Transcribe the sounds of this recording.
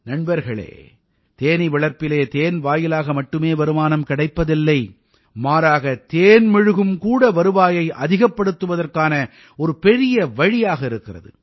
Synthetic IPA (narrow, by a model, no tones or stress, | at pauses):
nɐɳnbɐɾɣɐɭḛː | t̪eːniʋɪɭɐɾpːɪleːt̪eːnʋaːjɪlaːɣɐmɐʈːɯmeːʋɐɾɯmaːnɐmkɪɽɐɪpːɐðɪlːɐɪ | maːɾaːɣɐt̪eːnmɪɻɯɣɯmkuːɽɐʋɐɾɯʋaːjɐɪʔɐðɪɣɐpːɐɽɯt̪ːɯʋɐðɐrkaːnɐ | ɔɾɯpɛɾɪjɐʋɐɻɪjaːɣɐɪɾɯkːɪrɐ̰ðɯ̰